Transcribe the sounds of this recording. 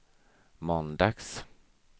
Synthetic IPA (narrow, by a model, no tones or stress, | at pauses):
mɔnd̪aks